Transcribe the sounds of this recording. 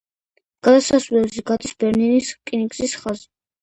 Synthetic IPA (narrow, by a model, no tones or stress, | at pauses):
ɡ̥ad̪asasvlɛbziɡad̪isbɛɾniniskʼinikʼsisχazi